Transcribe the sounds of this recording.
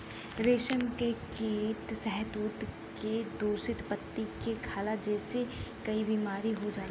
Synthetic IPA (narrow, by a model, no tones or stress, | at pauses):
ɾeːʃəmkekeːʈsɛɦət̪uːt̪ | ked̪uːɾsɪt̪pət̪ːikekʰaːlad͡ʒɛːsekɐibiːmaːɾiɦod͡ʒaː